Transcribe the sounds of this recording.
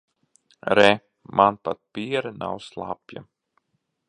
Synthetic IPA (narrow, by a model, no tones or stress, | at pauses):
ɾɛ | mʔanpat̪̚piɛɾana̰wslˠa̰pja̰